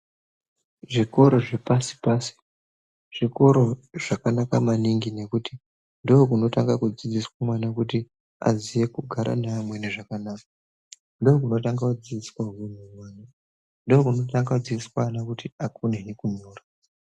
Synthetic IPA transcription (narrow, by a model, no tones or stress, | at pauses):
ʐiko̞ɾo̞ʐe̞pasi̥paːsi̥ | ʐ̥iko̞ɾo̞ʐ̥akanakamaniŋɡine̞kuti | ndoːkuno̞taŋɡakud͡zid͡ziswamwanakuti | a̰ziʋe̞kuɡʱaɾʔa̰namwe̞neʐakanaːka | ndook̬uno̞taŋɡaud͡ziiswaɦin̤umwaːna | ndookuno̞taŋɡad͡ziiswanakutiakuneɦekuɲuːra